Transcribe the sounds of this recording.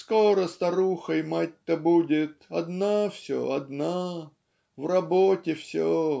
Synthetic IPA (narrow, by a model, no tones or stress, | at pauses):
skoɾəst̪ɐɾuxəjmatʲt̪əbudʲɪt̪ɐd̪nafsʲo̰ɐd̪na | vrɐbotʲɪfsʲo